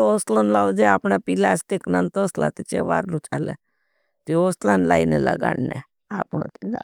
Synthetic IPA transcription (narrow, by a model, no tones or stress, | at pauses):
oslonlaʋd͡ʒeapɳapilast̪iknant̪oːsla̰t̪it͡ʃḛʋa̰ːɾlũt͡ʃalḛ | t̪ioslanla̰inela̰ɡa̰ɽne | apõ̰t̪ina̰